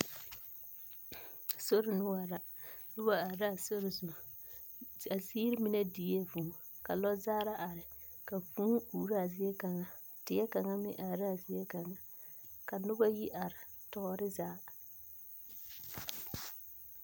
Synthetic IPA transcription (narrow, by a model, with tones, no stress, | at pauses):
so˦ɾɪ˨nʊ˦wa˨ɾa˨ | nʊ˦ba˦a˨ɾa˦˨so˦ɾɪ˨zu˨ | a˨siː˦ɾɪ˦mɪ˦na˦di˨˦e˦vu˨ | ka˨lɔ˦zaː˦ɾa˦ʔa˨ɾɪ˨ | ka˨fuː˦uː˨ɾa˦a˨zɪ˦ɛ˦ka˨ŋa˨ | tɪ˨ɛ˦ka˨ŋa˦mɪ̰˦ʔa˨ɾa˦a˨zɪ˦jɛ˦ka˨ŋa˨ | ka˨nʊ˦ba˦ji˦ʔa˨ɾɪ˨ | tɔ˨˦ɾɪ˦zaː˦